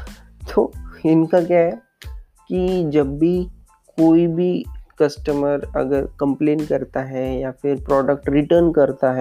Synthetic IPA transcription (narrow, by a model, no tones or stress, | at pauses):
t̪ʰoːɪnkak̬jɛɦɛ | kid͡ʒɐbːi | koːibʱikɐsʈəməɾɐ̰ɡəɾkɐ̃mplẽːnkɐɾt̪aɦɛjafɪɾpɾɔːɖək̚ʈɾɪʈəɾnkɐɾt̪aɦɛ